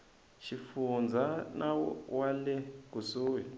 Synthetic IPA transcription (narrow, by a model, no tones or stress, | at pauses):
ʃifund͡zʱanawalɛkusuːwi